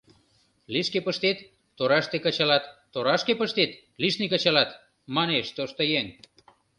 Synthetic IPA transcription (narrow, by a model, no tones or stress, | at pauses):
liʃkepəʃt̪et̪ː | oɾɑʃt̪ekət͡ɕɑlɑt̪ːoɾɑʃkepəʃt̪et̪ | liʃnikə̆t͡ɕɑlɑt̪ | mɑneʃt̪oʃt̪ojeŋ